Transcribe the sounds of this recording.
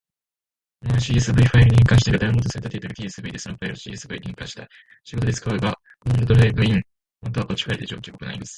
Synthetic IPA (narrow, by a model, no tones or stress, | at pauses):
nɕiːesɨbɯiɸaiɾɯ̟ɲʲĩŋkãɕi̥t̪eɡad̪aɯ̃mot̪osaɾet̪at̪ːeit̪oɾɯ̟k̪ʲiːsɨbɯ̟id̪e̞sonoɸaiɾɯɕḭesɨbɯ̟iɲʲḭ̃ŋkã̰ɕi̥t̪a | ɕiɡo̞t̪odet͡sɨ̥kaɯɯɡa | õnɾod̪oɾɯeɡaĩn | hont̪o̞aʔo̞t͡ɕi̥kaid̪e̞d͡ʑo̞ːkʲiokokɯna̰ɾḭmasɨ̥